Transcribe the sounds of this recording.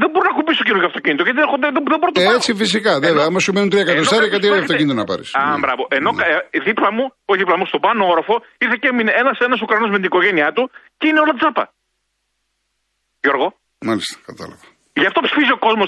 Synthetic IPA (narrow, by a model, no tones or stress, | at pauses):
ðebo̞ɾonɐkupist̪ocinuʝɐft̪o̞cinit̪oʝɐt̪ieod̪ðeboɾot̪oet͡sifisikɐðeveɐmɐsumenunt̪ɾiɐekɐtt̪osɐɾiɐkɐt̪iɾɐft̪oinit̪onɐpɐ̰ɾḭsɐbɾɐvoʔeno̞kɐðiplɐmuoçðiplɐmust̪obɐnooɾɐfo̞ | iɾθe̞ceminenɐsenɐs̬okɾɐnozme̞t̪iniko̞ʝe̞niɐt̪uceine̞o̞lɐt̪t͡sɐpɐ̰ | jo̞ɾɣo̞ | mɐlist̪ɐ̥kɐt̪ɐ̰lɐɣo | ʝɐft̪o̞psi̥fizio̞ko̞zmos